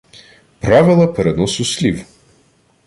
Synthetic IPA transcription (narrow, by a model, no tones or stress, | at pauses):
pɾavɛlˠɛpɾɛnɔsʊslʲiv